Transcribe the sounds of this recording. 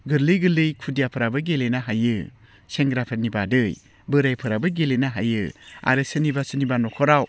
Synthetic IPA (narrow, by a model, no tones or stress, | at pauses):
ɡɯɾlɯjɡɯlɯjkʰudijapʰɯɾabɯɡelenaɦajɯ | seŋɡɾapʰeɾnibadɯj | bɯɾajpʰɯɾabɯɡelenaɦajɯa̰ɾɯsɯnibasɯnibanɔkʰɔɾaw